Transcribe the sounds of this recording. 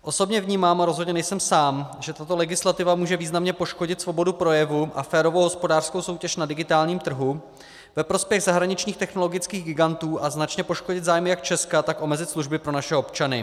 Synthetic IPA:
ʔo̞so̞bɲɛvɲiːmaːmaɾozɦodɲɛnɛjsɛmsaːmʒɛt̪at̪o̞lɛɡɪslat̪ɪvamuːʒɛviːznamɲɛpo̞ʃkoɟɪt̪svo̞bo̞dupɾo̞jɛvuʔa̰fɛːɾovowɦo̞spodaːr̥skowso̞wcɛʃnadɪɡɪt̪aːlɲiːmt̪r̩ɦu | vɛpɾo̞spjɛɣzaɦɾaɲɪt͡ʃɲiːxt̪ɛxno̞lo̞ɡɪt͡skiːɣɡɪɡant̪uːʔaznat͡ʃɲɛpo̞ʃko̞ɟɪt̪zaːjmɪjak̚t͡ʃɛskat̪akʔo̞mɛzɪt̪sluʒbɪpɾo̞naʃɛo̞pt͡ʃanɪ̰

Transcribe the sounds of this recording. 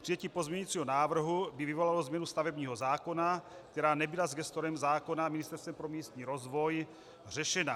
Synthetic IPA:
pr̥ijɛciːpo̞zmɲɛɲit͡siːɦo̞naːvr̩ɦubɪvɪvo̞lalo̞zmɲɛnust̪avɛbɲiːɦo̞zaːko̞na | kt̪ɛɾaːnɛbɪlazɡɛst̪oɾɛmzaːko̞namɪnɪst̪ɛɾst̪vɛmpɾo̞miːst̪ɲiːɾo̞zvo̞j | r̝ɛʃɛna

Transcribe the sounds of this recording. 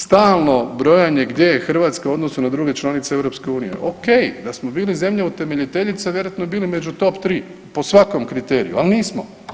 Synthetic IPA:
st̪aːlˠno̞bɾo̞jaɲe̞ɡd̪je̞jexr̩ʋaːt̪skauo̞d̪no̞sunad̪ɾuːɡe̞t͡ʃlˠanit̪seeʋɾo̞pske̞uːnije̞̰ʔoke̞jd̪asmobiːlize̞mʎeut̪e̞me̞ʎit̪e̞ʎit̪saʋje̞ɾojat̪no̞biːlimed͡ʑut̪o̞pt̪ɾiː | po̞sʋako̞mkɾit̪e̞ːɾḭjṵalniːsmo̰

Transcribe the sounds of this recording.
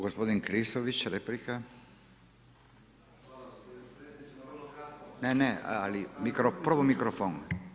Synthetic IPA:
ɡospod̪inŋkɾisoʋit͡ʃɾeplika | nenealimikɾopɾʋomikɾofon

